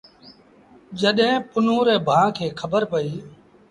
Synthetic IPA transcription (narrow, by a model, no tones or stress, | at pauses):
d͡ʒəɗɦẽːpʊnuːɾeːbʱãːkʰeːkʰəbəɾpəiː